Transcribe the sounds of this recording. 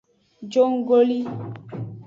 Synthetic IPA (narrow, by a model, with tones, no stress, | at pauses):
d͡ʒo˦ŋ˦ɡo˦li˦